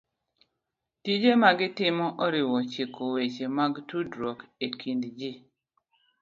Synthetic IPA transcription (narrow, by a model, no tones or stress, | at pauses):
tid͡ʒemaɡɪtɪmɔʔɔɾɪwɔt͡ʃekʰowet͡ʃemaɡtudɾɔkekindd͡ʒi